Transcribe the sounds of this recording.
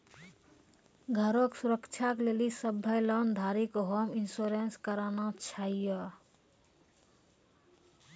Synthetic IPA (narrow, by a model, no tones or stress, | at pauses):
ɡʱəɾoksuɾəkt͡ʃʰaklelisəbʱəjlɔnd̪ʱaɾikɦominsuɾenskəɾanat͡ʃʰaijə